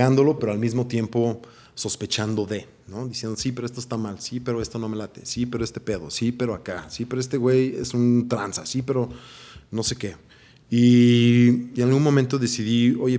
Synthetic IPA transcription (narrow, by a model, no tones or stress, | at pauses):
and̪o̞lo̞pe̞ɾo̞almizmo̞t̪je̞mpo̞ | so̞spe̞t͡ʃand̪o̞ðe̞ | no̞ðisjend̪osipe̞ɾoest̪oest̪amalsipe̞ɾoe̞st̪o̞no̞me̞lat̪e̞̰sipe̞ɾoe̞st̪e̞̥pe̞ðo̞̰sipe̞ɾoakasipe̞ɾoe̞st̪e̞ɣwe̞jḛsunt̪ɾansa̰sipe̞ɾo̞no̞se̞ke | i | inalɣunmõmẽnt̪o̞ðe̞siðio̞ʝe